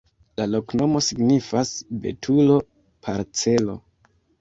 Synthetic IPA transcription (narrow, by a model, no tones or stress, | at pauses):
lalo̞kno̞mo̞siɡnifasbe̞̰tʰulo̞ | pʰaɾt͡se̞lo̞